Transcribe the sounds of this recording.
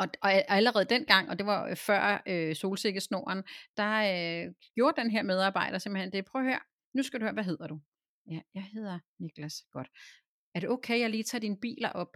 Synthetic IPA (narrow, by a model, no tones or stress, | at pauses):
ɒ̽ɒ̽æləʁɛːð̞̩ˠd̥enɡ̥ɑ̈ŋ̰ɒ̽d̥e̝ʋɑ̈fɶɐ̰øso̝ːlse̝ɡ̥əsno̝̰ɐnd̥ɑ̈ | ɡ̥jo̝ːɐd̥enɦeɐ̰með̞ˠɑ̈ːb̥ɑ̈ɪ̰ɾ̥ɐse̝m̥lhend̥e̝pʰʁœːhøɐ̰ | nusɡ̥æd̥uhøɐʋæɦe̝ð̞̰ˠɐd̥u | jæjɑɪhe̝ð̰ˠɐniɡ̥læsɡ̥ɒ̽d̥ | æɐɾ̥e̝ʔokʰeɪjɑ̈ɪliːt͡sʰɑ̰̈ːd̥inəb̥ḭːlɐʔɒ̽b̥